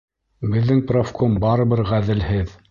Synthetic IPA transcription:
bɘ̆ðːɘŋprofkʰombɑɾɤ̆βɘɾʁæðɘ̆lhɘð

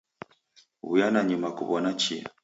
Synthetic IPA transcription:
ṵjanaɲimakṵβɔnat͡ʃia̰

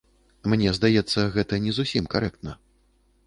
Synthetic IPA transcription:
mnʲɛzd̪ajɛt̪sːɐɣɛt̪ɐnʲɛzusʲimkaɾɛkt̪nɐ

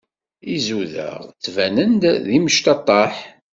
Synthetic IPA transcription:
izuðə̰ʁt͡sːvænənd̪ðiməʃt̪ɑt̪ˤːɑħ

